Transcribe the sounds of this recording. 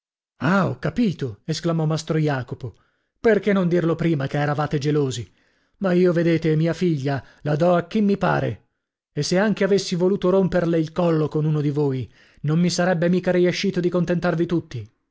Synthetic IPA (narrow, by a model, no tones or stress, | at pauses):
aɔ̰kːapiːt̪oesklamɔmast̪ɾojaːkopo | perkenːõnd̪irlopɾiːmakeɛːɾavaːt̪ed͡ʒeloːzi | maiːoved̪eːt̪emiːafiʎːa | lad̪ɔak̟ːimːipa̰ːɾḛ | esːeaŋk̟eavesːivoluːt̪oɾomperleilkɔlːokonuːnod̪ivoːj | nomːisaɾɛbːemiːkaɾieʃːiːt̪od̪ikont̪ent̪arvit̪ut̪ːi